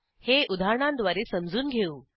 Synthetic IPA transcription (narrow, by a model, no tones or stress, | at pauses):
heud̪ʱaɳãnd̪ʋaɾesəmd͡zuːnɡʱeuː